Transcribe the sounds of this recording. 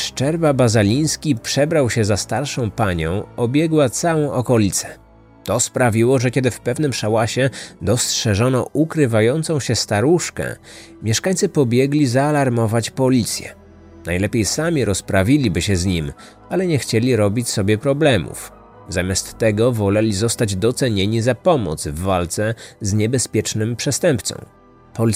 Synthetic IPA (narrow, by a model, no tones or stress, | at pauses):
ʂt͡ʂɛɾvabazalʲij̃skʲipʂɛbɾawɕɛzast̪aɾʂɔ̃w̃paɲɔ̃w̃ɔbʲjɛɡwat̪sawɔ̃w̃ʔɔkɔlʲit̪sɛ̥ | t̪ɔspɾavʲiwɔʐɛkʲɛd̪ɘfpɛvnɘmʂawaɕɛd̪ɔstʂɛʐɔnɔʔukɾɘvajɔnt̪sɔ̃w̃ɕɛst̪aɾuʂkɛ̰ | mʲjɛʂkaɲt̪sɘpɔbʲjɛɡlʲizaːlaɾmɔvat͡ɕpɔlʲit̪sʲjɛ̰ | najlɛpʲejsamʲiɾɔspɾavʲilʲibɘɕɛzɲim | alɛɲɛxt͡ɕelʲiɾɔbʲit͡ɕsɔbʲjɛpɾɔblɛmṵf | zamʲjast̪ːɛɡɔvɔlɛlʲizɔst̪ad͡ʑd̪ɔt̪sɛɲeɲizapɔmɔ̰d̪zvːalt̪sɛzɲɛbɛspʲjɛt͡ʂnɘmpʂɛst̪ɛmpt̪sɔ̰̃w̃ | pɔ